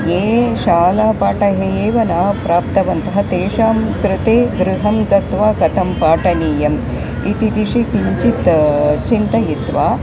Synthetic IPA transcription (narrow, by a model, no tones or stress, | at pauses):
jeːʃaːlaːpaːʈɐɦejeːʋɐnaːpɾaːp̚t̪ɐʋɐnt̪ɐɦɐt̪eːʃaːmkɾɪt̪eːɡɾɪɦɐmɡɐt̪ʋaːkɐt̪ɐmpaːʈɐniːjɐm | it̪it̪iʂikiɲt͡ʃit̪t͡ʃint̪ɐjit̪ʋaː